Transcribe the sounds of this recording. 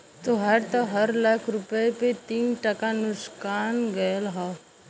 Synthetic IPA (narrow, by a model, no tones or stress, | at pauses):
t̪oɦɐɾt̪oɦɐɾlaːkʰɾʊpəepet̪iːnʈɐkanʊskaːnɡɐjəlɦa